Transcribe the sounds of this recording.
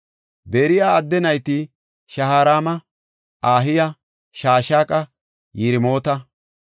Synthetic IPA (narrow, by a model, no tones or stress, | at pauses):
beːɾɪjaːɐd̪ːɛnɐjt̪ɪ | ʃɐhaːɾaːmɐ | ʔaːɦɪjɐ | ʃaːʃaːkʼɐ | jɪɾɪmo̞ːt̪ɐ